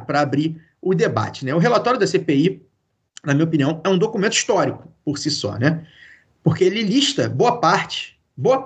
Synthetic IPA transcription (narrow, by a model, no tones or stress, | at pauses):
pɾɐabɾi | ʊd̪eba̰t͡ʃɪ̥nɛʊɦelat̪ɔɾjʊd̪ɐsepei | nɐmĩɲopiniɐ̃w̃ɛũd̪okumẽnt̪ʊi̥ʃt̪ɔɾikʊ̥poɾsisɔ̰nɛ | poχkeelɪliʃt̪ɐboɐpaɾt͡ʃɪ̥ | boɐ